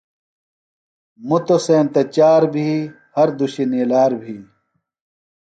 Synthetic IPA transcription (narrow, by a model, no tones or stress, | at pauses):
mut̪oseːnt̪ɐt͡ɕaːɾbʱiː | hɐɾd̪uɕinilaːɾbʱiː